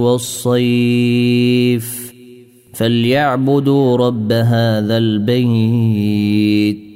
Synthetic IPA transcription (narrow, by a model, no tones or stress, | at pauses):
wɑsˤːɑj | f | faljaʕbʊd̪ɾˤɑbːaɦaːðalbaj | t̪̚